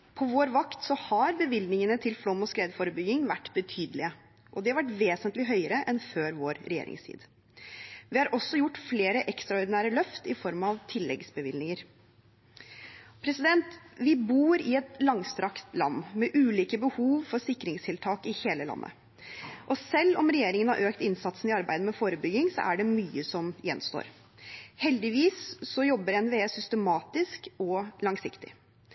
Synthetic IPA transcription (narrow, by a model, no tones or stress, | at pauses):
pʰɔʋoːɾʋɑkt̪sɔhɑɾbəʋɪlnɪŋənət̪ʰɪlflɔmːɔskɾeːd̪fɔɾəbʏɡɪŋʋæʈːbət̪ʰyːd̪əlɪə | ʔɔd̪ɛhɑʋæʈːʋeːsənt̪lɪɦœʏəɾəʔɛnføːɾʋoːɾɾɛ̰jḛːɾɪ̰ŋst̪ʰḭːd̪ | ʋɪhɑɾʔɔsːɔjʊʈːfleːɾəʔɛkst̪ɾɑɔɾɖ̪ɪnæːɾəlœft̪ɪfɔɾmɑʋt̪ʰɪlːɛɡsbəʋɪlnɪŋəɾ | pʰɾɛsɪd̪ɛnt̪ʋɪbuːɾɪɛt̪lɑŋst̪ɾɑkt̪lɑ̰nːmɛʔʉːliːkəbəhuːʋfɔsɪkːɾɪŋst̪ʰɪlt̪ʰɑːkɪheːləlɑ̰nːə̰ | ʔɔsɛlːɔmɾɛjeːɾɪŋənhɑ̰ɾʔøːkt̪ɪnsɑt̪snɪɑɾbæ̰ɪd̪əmɛfoːɾəbʏɡːɪŋsɔ̰ʔæɖɛmyːəsɔmjɛ̰nst̪o̰ːɾ | hɛld̪ɪʋiːsːɔjɔbːəɾɛnʋeːsʏst̪əmɑːt̪ɪskɔlɑŋsɪkt̪ɪ̰